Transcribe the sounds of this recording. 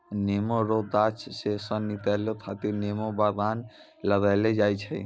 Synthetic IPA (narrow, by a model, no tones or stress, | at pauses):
nemoɾod̪at͡ʃʰsesɔnːit̪alot̪ʰat̪inemobad̪an | ləɡajled͡ʒajt͡ʃʰɛ